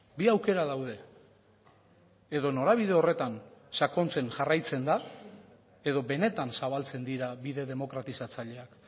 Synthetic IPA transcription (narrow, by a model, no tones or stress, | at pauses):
biawke̞ɾað̞awð̞e̞ | eð̞o̞no̞ɾaβ̞ið̞e̞o̞re̞t̪ansako̞nt͡se̞nʝarajt͡se̞nd̪a | e̞ðo̞βe̞ne̞t̪ansaβ̞alt͡se̞nd̪iɾaβiðe̞ðe̞mo̞kɾat̪isat͡saʎe̞ak